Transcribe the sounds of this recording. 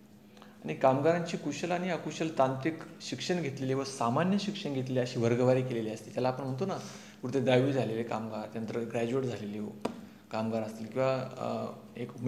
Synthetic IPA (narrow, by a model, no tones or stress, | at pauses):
aɽ̃ikamɡaɾãɲt͡ɕiːkuɕəlañiakuɕəlt̪ant̪ikɕikʂəɳɡʱet̪leleʋəɾsamanjəɕikʂəɳɡʱet̪leliaɕiːʋəɾɡəʋaɾiːkeleliast̪it̪jalaːpəɳm̤əɳt̪ona | kuɾt̪ed̪aʋiːd͡zʱalelekamɡaɾt̪janənt̪əɾəɡɾæd͡ʑueʈd͡zʱaleliʋ̰ | kamɡaɾəst̪ilkĩʋa | ḛk